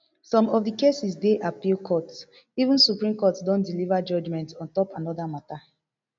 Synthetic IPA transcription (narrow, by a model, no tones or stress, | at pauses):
sɔ̃mɔfdikesisdeʔapilkʰɔt | ivũnsupɹĩmkɔtdɔ̃ndilivad͡ʒɔd͡ʒmɛ̃ntɔ̃ntɔpanɔdamata